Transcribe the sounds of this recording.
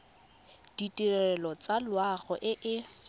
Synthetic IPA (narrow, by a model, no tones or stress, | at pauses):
d̥itʼirɛɛlɔt͡salwaɣɔʔɪʔɪ